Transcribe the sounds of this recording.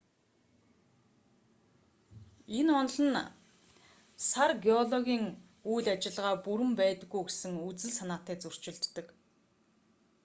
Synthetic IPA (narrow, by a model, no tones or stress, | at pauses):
enɔnɮə̆n | sarɡeɔɮɔɣʲiːŋ | ujɮat͡ɕɪ̆ɮʁaːpuɾɘ̆mpæːt̪ə̆ɡːujɡesɘ̆ŋut͡sɘ̆ɮsanaːt̪æːt͡sɵr̥t͡ɕɪ̆ɮt̪ːə̆k